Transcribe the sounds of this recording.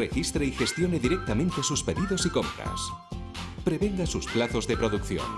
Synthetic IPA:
rexist̪ɾeixe̞st̪jo̞neðiɾe̞k̚t̪amẽnt̪esuspe̞ðiðo̞siko̞mpɾa̰s | pɾe̞βe̞ŋɡasusplaθo̞zðe̞pɾo̞ðukθjo̰n

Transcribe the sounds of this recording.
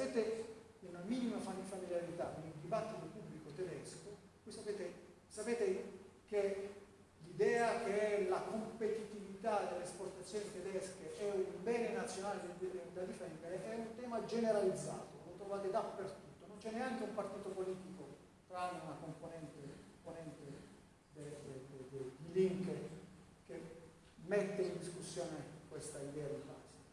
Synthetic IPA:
sapeːt̪enenamiːnimafanifamiljaɾit̪akonild̪ibat̪ːit̪opubːlikot̪ɛd̪ɛsko | kuisapeːt̪e | sapeːt̪ek̟e | lid̪ɛːak̟eɛlakompet̪it̪ivit̪ad̪elːesport̪at̪sːjoːnit̪ɛd̪ɛskeʔɛumbɛːnenat̪sːjonaːled̪d̪ad̪ifɛnd̪eɾeʔɛunt̪ɛːmad͡ʒeneɾalid̪zːa̰ːt̪olot̪ɾovaːt̪ed̪apːert̪ut̪ːonont͡ʃɛnːeaŋkeumpart̪iːt̪opoliːt̪iko | t̪ɾanunakomponɛnt̪eponɛnt̪e | d̪ed̪d̪ed̪iliŋke | k̟e | mːɛt̪ːeind̪iskusːjɔːnekwest̪aid̪ɛːad̪ika̰ːsa

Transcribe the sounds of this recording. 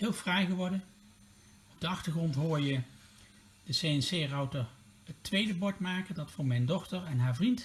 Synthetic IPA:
ɦɪːlˠfrɛjχəʋɔɹdən | ɔb̚dəɑχtəɹχrɔntɦʊːɹjə | d̥əsejɛnsejrɑwtəɹ | ətʋejdəbɔɹtmaːkəndɑtfʊːɹmɛjndɔχtəɹɛnɦaːɹvrint

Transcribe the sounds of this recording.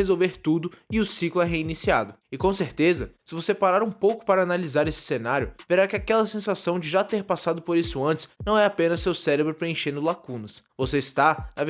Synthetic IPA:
ezowveɾt̪ud̪ʊɪʊsiklʊɛɦeinisiad̪ʊɪkõseɾt̪ezɐsɪvosepaɾaɾũpowkʊ̥paɾɐanalizaɾesɪ̥senaɾjʊveɾakɪakɛlɐsẽsasɐ̃w̃d͡ʒɪʒat̪eɾpasad̪ʊpoɾisʊɐ̃nt͡ʃɪ̥z̥nɐ̃w̃ɛapẽnɐ̥sewsɛɾebɾʊpɾeẽʃẽnd̪ʊlakũnɐsvoseist̪anɐv

